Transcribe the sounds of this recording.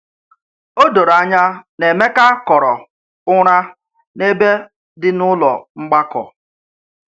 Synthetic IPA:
o˦do˨ɾa˨ɲa˦ne˨me˦ka˦kɔ˨ɾɔ˨ | ʊ˦ɾ̃a˦ | ne˦be˦ | dɪ˦nʊ˦lɔ̰˨ŋ͡m̩˦ɡ͡ba˦kɔ̰˨

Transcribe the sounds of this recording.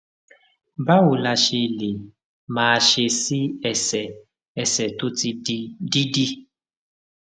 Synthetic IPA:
ba˦wʊ˨la˨ʃe˨le˨ | maː˨ʃe˨si˦ɛ˨sɛ˨ | ɛ˨sɛ˨tʊ˦ti˦di˦di˦

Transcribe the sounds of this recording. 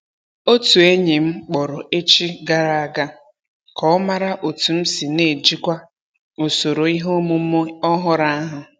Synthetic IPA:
o˦tu˨e˦ɲe˨m̩˦k͡pɔ˨ɾʊ˨ʔe˦t͡ʃi˦ɡa˦ɾa˨a˨ɡa˦ | kɔ˨˦ɔ˦ma˦ɾa˦ʔo˨tu˨m̩˦si˨ne˨d͡ʒi˦kʷa˦ | o˨so˨ɾo˨i˦ɦo˦mu˦ɔ˦ɦʊ˦ɾa˦ɦʊ˨

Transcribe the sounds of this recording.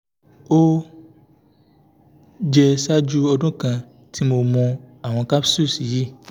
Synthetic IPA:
o˦ | d͡ʒɛ˧sa˦d͡ʒu˦ɔ˧dɔ̃˦kã˧ | ti˦mo˧mɔ̃˧a˨w̃ɔ̃˧ka˦psu˦˨si˨ji˦

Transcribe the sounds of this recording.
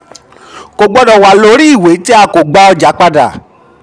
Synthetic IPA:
ko˧ɡ͡bɔ˧dɔ˧˨wa˨lo˧˦ɾi˦i˦˨we˨˦ti˦a˧ko˨ɡ͡ba˧ɔ˧d͡ʒa˨˦k͡pa˧da̰˨

